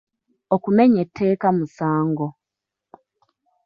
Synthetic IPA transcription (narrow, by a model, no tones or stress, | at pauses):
okumeɲetʰːe̞ːkamusaːŋɡo